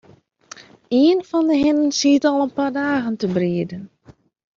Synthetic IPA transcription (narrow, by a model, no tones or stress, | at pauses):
iənfɔndəɦɪnənsiətɔlˠənpardaːɣəntəbriədən